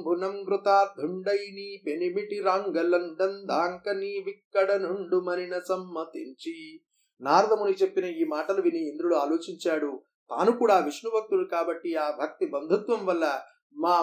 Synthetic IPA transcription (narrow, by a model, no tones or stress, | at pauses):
bʱunɐmɡɾut̪aːd̪ʱuɳɖɐjniːpenimiʈiɾaːŋɡɐlɐɳɖɐnd̪ʱaːŋkɐniːʋikːɐɽɐnuɳɖumɐninɐsɐmːɐt̪iɲt͡ʃi | naːɾɐd̪ʱɐmunit͡ʃepːinɐiːmaːʈɐlɐʋiniːnd̪ɾuɽuaːloːt͡ʃiɲt͡ʃaːɽu | t̪a̰ːnukuːɽaːʋiʂnubʱɐk̚t̪ulukaːbɐʈːiaːbʱɐk̚t̪ibɐnd̪ʱut̪ʋɐmʋɐlːɐ | maː